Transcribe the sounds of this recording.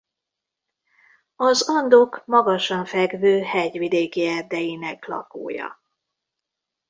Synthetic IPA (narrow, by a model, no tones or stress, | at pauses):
ɒzɒnd̪okmɒɡɒʃɒɱfɛɡvøːhɛɟvid̪eːkiɛrd̪ɛjinɛklɒ̰ko̰ːjɒ̰